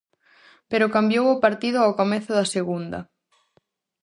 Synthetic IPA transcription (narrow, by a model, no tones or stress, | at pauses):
peɾʊkambjowʊpaɾt̪ið̞ʊawkomeθʊðɐseɣund̪ɐ̰